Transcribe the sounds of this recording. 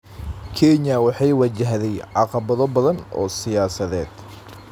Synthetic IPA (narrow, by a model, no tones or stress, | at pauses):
kʰɛnjɐwɑħɑjwɑt͡ʃɐɦðɛjʕɑqɑβɐðɔbɐðɐnɔ̰ːsɪjaːsɐðɛːd̪̥